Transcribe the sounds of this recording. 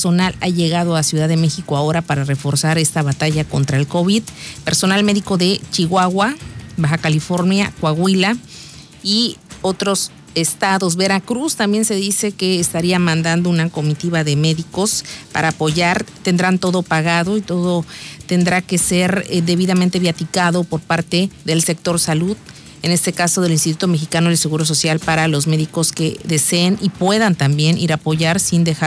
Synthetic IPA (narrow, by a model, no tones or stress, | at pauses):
sonalaʝe̞ɣað̞oasjuðaðeme̞xikoao̞ɾapaɾare̞fo̞ɾsaɾe̞st̪aβat̪aʝako̞nt̪ɾaelko̞βiðpe̞ɾso̞nalme̞ðiko̞ðe̞t͡ʃiɣwaɣwabaxakalifo̞ɾnja̰kwaɣwila | io̞t̪ɾo̞s | est̪aðo̞z̬βe̞ɾakɾust̪ambje̞nse̞ðise̞keːst̪aɾiamãnd̪and̪ounako̞mit̪iβaðe̞me̞ðiko̞spa̰ɾaːpo̞ʝaɾt̪e̞nd̪ɾant̪o̞ðo̞paɣaðo̞it̪o̞ðo̞t̪e̞nd̪ɾake̞se̞ɾðe̞β̞iðamẽnt̪e̞βjat̪ikaðo̞po̞ɾpaɾt̪e̞ðe̞lse̞k̚t̪o̞ɾsaluð | ene̞st̪e̞kaso̞ð̞e̞linst̪it̪ut̪o̞me̞xikano̞else̞ɣuɾo̞s̬o̞sjalpaɾalo̞zme̞ðiko̞ske̞ðe̞se̞ːnipwe̞ðant̪ambje̞nʔiɾapo̞ʝaɾsind̪e̞xa